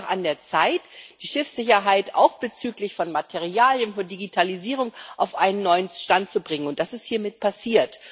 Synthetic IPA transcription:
χa̰ndeːɐt͡saɪtd̥iːʃɪfsz̥ɪçɐɦaɪta̰ʊxb̥ət͡syːklɪçfɔnmatʰeʁiaːljənfɔndiɡitʰaliziːʁ̞ʊŋʔaʊfʔaɪnənːɔʏənʃtantt͡subʁɪŋənʊntd̥asɪsthiːɐmɪt̚pʰasiːɐt

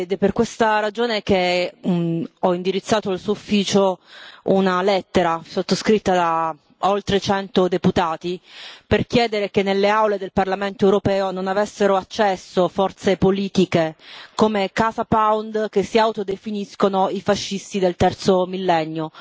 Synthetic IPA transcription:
d̪ɛperkwest̪aɾad͡ʒoːneke | ɔind̪iɾit̪sːaːt̪oalsuːufːiːt͡ʃounalɛt̪ːeɾasot̪ːoskɾit̪ːad̪a | olt̪ɾet͡ʃɛnt̪od̪eput̪aːt̪iperkjɛːd̪eɾekenːelːeawled̪elparlament̪oɛwɾopɛːononavɛsːeɾoat͡ʃːɛsːofɔrt̪sepoliːt̪ikekoːmekazapawnd̪kesːiawt̪od̪efiniskonoifaʃːist̪id̪elt̪ɛrt̪somilːɛnːjo

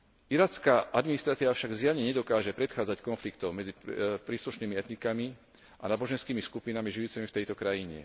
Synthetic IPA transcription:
iɾaːt͡skaːʔad̪minist̪ɾat̪iːʋafʃaɡzɪaɲɛɲɛd̪ɔkaːʒɛpɾɛt̪xaːd͡zackɔnflikt̪ɔʊmɛd͡zipɾiːsluʃniːmiɛt̪nikami | a̰naːbɔʒɛnskiːmiskupinamiʒijut͡simift̪ɛjt̪ɔkɾajiɲɛ̰

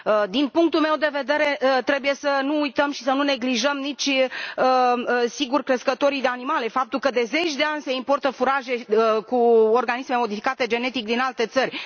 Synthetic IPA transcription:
əd̪inpuŋk̚t̪ulme̞wd̪e̞ve̞d̪e̞ɾe̞t̪ɾe̞buje̞sənuːjt̪əmʃisənune̞ɡliʒəmnit͡ʃʲəsiɡurkɾe̞skət̪o̞ɾijd̪e̞animale̞fap̚t̪ulkəd̪e̞ze̞t͡ʃʲd̪eanʲse̞impo̞rt̪əfuɾaʒe̞kuorɡanisme̞mo̞d̪ifikat̪e̞d͡ʒe̞ne̞t̪ik̚d̪inalt̪e̞t̪sərʲ

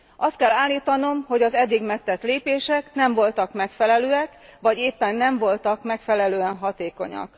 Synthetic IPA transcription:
ʔɒst̪̚kɛlːaːlːiːt̪ɒno̞mho̞ɟɒzɛd̪ːiɡmɛk̚t̪ːɛt̪leːpeːʃɛknɛɱvo̞lt̪ɒkmɛkfɛlɛløːɛkʋɒɟeːpːɛnːɛɱvo̞lt̪ɒkmɛkfɛlɛløːɛnɦɒt̪eːko̞̰ɲɒ̰k

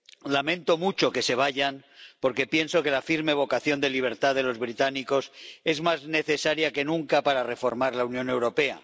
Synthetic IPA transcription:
lamẽ̞nt̪o̞mut͡ʃo̞ke̞se̞β̞aʝanpo̞ɾke̞pje̞nso̞ke̞lafiɾme̞β̞o̞kaθjo̞nd̪e̞liβ̞e̞ɾt̪aðe̞lo̞zβɾit̪aniko̞se̞zmazne̞θe̞saɾjake̞nũŋkapaɾare̞fo̞ɾmaɾlaunjo̞ne̞wɾo̞pe̞a̰

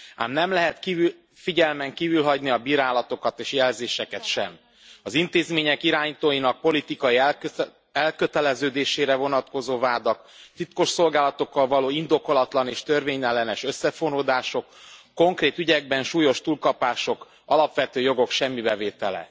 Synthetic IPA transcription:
a̰ːmnɛmlɛɦɛt̪ki | fiɟɛlmɛŋkiːvylɦɒɟniɒbiːɾaːlɒt̪o̞kɒt̪eːʃjɛlzeːʃɛkɛt̪ʃɛ̰m | ɒzint̪eːzmeːɲɛkiɾaːɲit̪oːjinɒk̚po̞lit̪ikɒi | ɛlkø̞t̪ɛlɛzøːd̪eːʃeːɾɛvo̞nɒt̪ko̞zoːvaːd̪ɒkt̪it̪ko̞ʃso̞lɡaːlɒt̪o̞kːɒlvɒloːind̪o̞ko̞lɒt̪lɒneːʃt̪ø̞rveːɲɛlːɛnɛʃø̞sːɛfonoːd̪aːʃo̞kː | o̞ŋkreːt̪yɟɛɡ̚bɛnʃuːjo̞ʃt̪uːlkɒpaːʃo̞k | ɒlɒpʋɛt̪øːjo̞ɡo̞kʃɛmːibɛveːt̪ɛlɛ̰

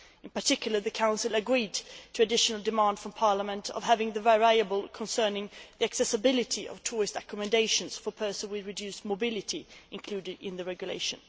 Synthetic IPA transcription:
ɨ̃npə˞tʰɪkjl̩ˠə˞ðɨkʰãʊ̃nsəl̩ˠəɡɹidtʰɨɨdɪʃnl̩ˠdɨmæ̃nd̥fɹʌ̃mpʰɑɹləmə̃ntʰʌ̰v̥ɦævɪ̃ŋðɨvɛɹajɨbəlˠkʰə̃nsɜ̃˞nɪ̃ŋðiæksɛsəbɪlˠɨɾiʔʌ̰v̥tʰʊɹɨstɹ̥ɛkəmɨ̃ndeɪʃɨ̃nz̥fə˞pʰɜ˞sə̃nwiɹɨdjʉsmoʊbɪlˠɨɾiʔɨ̃nkʰl̥ʉdɪɾɪ̃nðɨɹɛɡjʉlḛɪʃɨ̰̃n

